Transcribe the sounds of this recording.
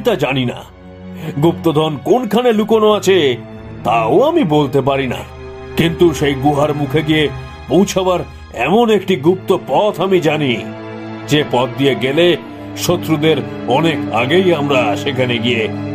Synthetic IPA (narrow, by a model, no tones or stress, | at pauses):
t̪ad͡ʑanina̰ | ɡupt̪od̪ʱɔnkonkʰanelukonoat͡ɕʰe | t̪aoamibolt̪ep̬aɾina̰ | kint̪uʃejɡuɦaɾmukʰeɡie | põwt͡ɕʰabaɾ | ɛmonekʈiɡup̚t̪opɔt̪ʰamid͡ʑani | d͡ʑepɔt̪̚d̪ijeɡele | ʃot̪ːɾud̪eɾ | ɔneka̰ɡejamɾaʃekʰaneɡije